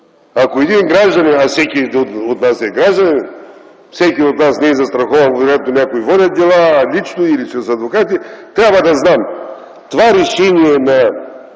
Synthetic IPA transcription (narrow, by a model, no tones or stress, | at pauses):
akoɛd̪inɡɾaʒd̪ɐnɛafsɛkʲioot̪nasɛɡɾaʒd̪ɐnʲɛn | fsɛkʲiot̪nasnɛɛzɐst̪ɾɐxɔvɐnkoɾɛt̪̚nonʲakoivɔdʲɐt̪̚d̪ɛlˠalʲit͡ʃnoiliʃɛsɐd̪vokat̪it̪ɾʲabvɐd̪ɐznam | t̪ovaɾɛʃɛniɛnɐ